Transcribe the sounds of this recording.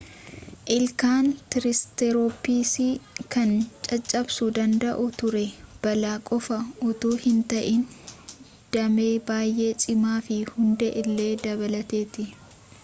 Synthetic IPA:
ʔɪlkaːnt̪ɪɾɪst̪ɛɾoːpiːsiːkɐnt͡ʃʼɐt͡ʃʼːɐbsud̪ɐnd̪ɐʔʊt̪ʊɾɛb̥ɐlaːkʼɔfɐʊt̪uːhɪnt̪ɐʔɪn | d̪̥ɐmeːbaːjʔe̞ːt͡ʃʼɪmaːfɪhʊnd̪ɛʔɪlːe̞ːd̪ɐbɐlɐt̪e̞ːt̪ɪ

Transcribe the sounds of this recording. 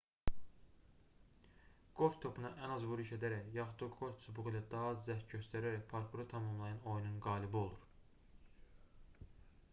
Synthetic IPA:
ɡ̥oft̪ʰo̞pʰunɑʔænɑzvuɾiʃed̪æɾæjɑxud̪uɡo̞fʲsubuɣilˠɑd̪ɑɦzzæh̪ɟøst̪æɾæɾæpʰoɾkʰuɾot̪ʰɑmɑmlˠɑjɑno̞jununɡɑːlibio̞lˠuɾ

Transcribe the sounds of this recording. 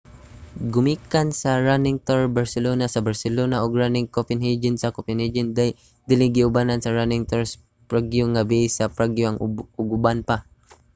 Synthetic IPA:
ɡʊmiːkansɐɹanɪŋt̪oɹbaɹsɛloːnasɐbaɹsɛlonaʔoɡɹanɪŋkopɪnhed͡ʒɪnsɐkopɪnhɛd͡ʒɪnd̪aj | d̪ɪlɪɡɪʊbanansɐɹanɪŋt̪oɹs | pɹaɡjoŋabɪʔsɐpɹaɡjoʔɐŋʊɡʊbanpa

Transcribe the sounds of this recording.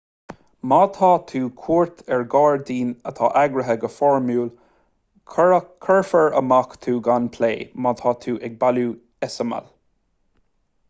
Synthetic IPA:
mɑːt̪ʰɑːt̪ʰuːkʰuːɹt̪ʰɛɹɡɑːɹd̪iːnə̰t̪ʰɑ̰ːʔaɡɾəɦəɡəfɔɹmjuːl | kʰəɹfəɹə̰makt̪ʰuːɡanpʰleːmɑːt̪ʰɑːt̪ʰuːʔɛɡ̚baluː | ɛsəmə̰l

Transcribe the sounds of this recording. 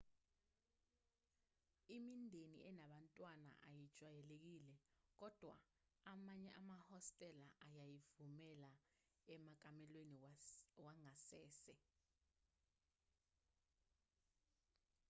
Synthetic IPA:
imindʱenḭʔɛnaɓantʼwana̰ʔa̰jid̥ʒ̥ʱʼwajɛlek̬iːlɛk̬ɔd̥ʱwa̰ | amaɲɛʔamahɔstʼɛlaʔajajivumɛla | ɛmak̬ʼamɛlweniwaŋasɛːsɛ

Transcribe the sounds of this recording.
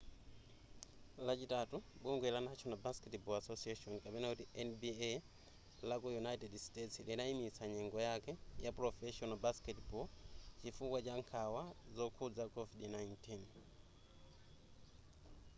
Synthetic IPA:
lat͡ʃitatuɓuŋɡwɛlanat͡ʃʰɔnabaskɛtbɔasɔsiɛʃɔnkapɛnakutiɛnbiɛ | lakujunaitɛdstɛtslinaimisaɲɛŋɡɔjakɛjapɾɔfɛʃɔnɔbaskɛtbɔt͡ʃifukwat͡ʃaŋkʰawazɔkʰud͡zakɔvidnajntin

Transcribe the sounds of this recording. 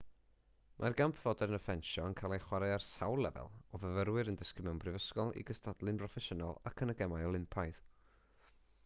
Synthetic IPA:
mʔarɡampʰv̥ɔdɛɾənəfɛnʃɔənkʰalˠaχwaɾaarsawlˠɛ̰vɛ̰lˠɔvəvəɾwɨɾəndɪskɪmʊnprɪvəskɔlˠḭɡəstadlˠɨnprɔfɛʃənalˠa̰kʰənəɡɛmajɔlˠɪmpʰajð̥

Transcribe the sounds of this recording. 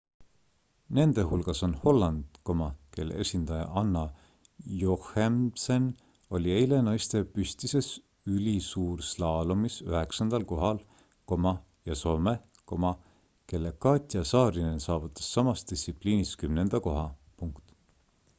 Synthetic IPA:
ne̞nd̪̥e̞ɦulɡ̥ɑso̞nho̞lːɑnd̪̥ko̞mɑke̞̰lːḛesʲind̪̥ɑjɑ̰ʔɑnːɑ | johemsen | o̞lʲie̞jle̞nɑjst̪e̞pysʲt̪ise̞s | ylʲisuːɾslɑːlumisøɦe̞ksɑnd̪̥ɑlko̞ɦɑl | ko̞mɑ | jɑso̞ːme̞ | ko̞mɑ | ke̞lːe̞kɑːt̪ʲˑijɑsɑːɾinensɑːvut̪ːˑɑ̥sːɑmɑst̪d̪̥isipliːniskymnend̪̥ɑko̞ɦɑpuŋkt̪

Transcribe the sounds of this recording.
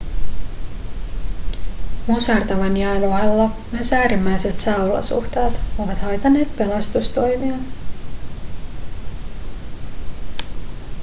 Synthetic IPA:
mosɑrt̪ɑʋɑnjæːnoɑlːɑjøsæːɾimːæjset̪sɑwlɑ̰sṵxt̪ɑːt̪oʋɑt̪hɑjt̪ɑnːe̞ːt̪pe̞lɑst̪ust̪o̞jmiɑ

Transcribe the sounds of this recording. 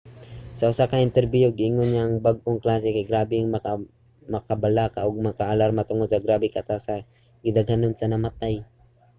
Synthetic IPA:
sɐʔʊsakaɪnt̪ɛɾbihoɡɪʔɪŋonɲaʔaŋbaɡ̚ʔoŋklaːs̬ɛkajɡɾaːbɪŋmɐa | mɐkabalaːkaʔoɡ̚mɐkaʔalaɾmat̪ʊŋod̪sɐɡɾaːbɪkat̪asa | ɡɪd̪aɡhanonsanamat̪aj

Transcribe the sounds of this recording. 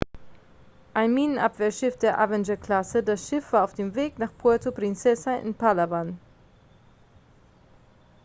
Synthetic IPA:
ʔaɪnmiːnənʔapv̥eːɐʃɪfd̥eːɐʔavɛnd͡ʒəɐkl̥asədasʃɪfv̥aːɐaʊfd̥eːmveːknaːχpʰɔɐtopʁ̥ɪnt͡sɛsaʔɪ̰npʰalavan

